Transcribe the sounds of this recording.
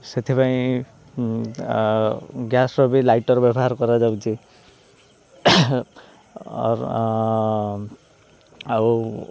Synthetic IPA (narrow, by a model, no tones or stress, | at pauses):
set̪ʰipaĩ | ɡjasɾɔbilajʈɔɾbɔbɔɦaɾkɔɾad͡ʒawt͡ʃʰi | ɔ̰ɾ | a